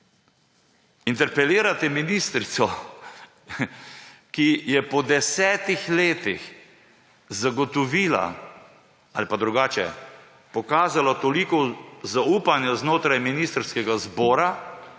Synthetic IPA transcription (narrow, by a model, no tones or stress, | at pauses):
int̪ɛɾpɛliːɾat̪ɛminist̪ɾit̪sɔ | kijɛpɔd̪ɛsɛːt̪ixleːt̪ix | zaɡɔt̪ɔʋiːla̰ | alipad̪ɾuɡaːt͡ʃɛ̰ | pɔkaːzalat̪ɔlikɔzauːpanjaznoːt̪ɾajminist̪ɾskɛɡazbɔːɾa